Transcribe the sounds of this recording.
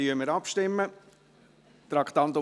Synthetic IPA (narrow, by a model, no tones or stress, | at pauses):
yəməɾɑpʃtɪmːə | t̪ɾɑkt̪ɑnt̪ʊ